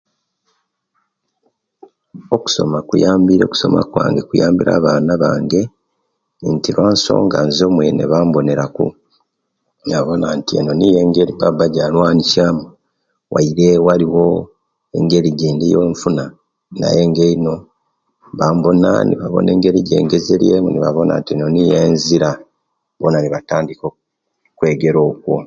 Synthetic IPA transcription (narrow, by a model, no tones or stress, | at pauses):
oku̥so̞̰makujaːmbiɾo̞ku̥so̞ma̰kwa̰ːŋɡe̞kujaːmbiɾa̰ːβaːnaβaːŋɡe̞ | ntiɾwaːnso̞̰ːŋɡanzo̞ːmwenḛβaːmbo̞ne̞ɾakṵ | naβo̞nantiḛno̞nije̞ŋɡe̞ɾipabaɟalwaːnicaːmu | wʔa̰iɾe̞waɾiwo̞ | e̞̰ŋɡe̞ɾiɟeːndijoːɱfuna | na̰je̞ːŋɡeino̞ | βaːmbo̞na̰niβaβo̞̰ne̞̰ːŋɡe̞ɾiɟḛːŋɡezeɾje̞ːmuniβa̰βona̰ntino̞nijeːnziɾa | bonaniβataːndiko | kwe̞ɡe̞ɾo̞ːkwo̞̰